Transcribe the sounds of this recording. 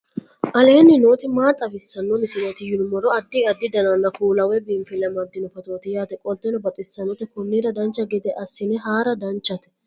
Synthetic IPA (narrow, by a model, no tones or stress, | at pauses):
ʔɐle̞ːnːɪnoːt̪ɪmaːt̪ʼːɐfɪsːɐnːɔnɪsɪnot̪ɪjʊlmɔɾɔɐd̪ːɪɐd̪ːɪd̪ɐnɐnːɐkuːlɐwɛbɪmfɪlɛmɐd̪ːɪnɔfɐt̪oːt̪ɪjaːt̪ɛkʼɔlt̪ɛnɔbɐt̪ʼɪsːɐnɔt̪ɛkʊnːiːɾɐd̪ɐnt͡ʃːɐɡɪd̪ɛʔɐsːɪnɛɦaːɾɐd̪ɐnt͡ʃːɐt̪ɛ̥